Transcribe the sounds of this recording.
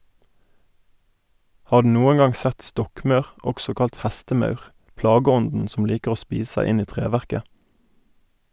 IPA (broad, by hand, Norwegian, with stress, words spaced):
ˈhɑː ˈɖʉː ˈnuːən ˈɡɑŋ ˈsɛt ˈstɔkˌmɑʉʁ ˈɔksɔ ˈkɑlt ˈhæstəˌmɑʉʁ ˈplɑːɡəˌɔndn̩ sm̩ ˈliːkəʁ ˈoː ˈspiːs ˈsæɪ ˈɪn ˈiː ˈtʁeːʋæʁkə